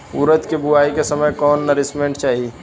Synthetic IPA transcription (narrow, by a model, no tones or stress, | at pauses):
uɾət̪kebuaikesəməjkɔnːəɾismeɳʈt͡ʃaɦi